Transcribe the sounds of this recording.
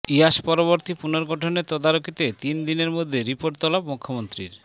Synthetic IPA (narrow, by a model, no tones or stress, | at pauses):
iaʃpɔɾoβoɾt̪ipunoɾɡɔʈʰoneɾt̪ɔd̪aɾokit̪et̪ind̪ineɾmod̪ʱːeɾipoɾʈt̪ɔlabmukʰːomont̪ɾḭɾ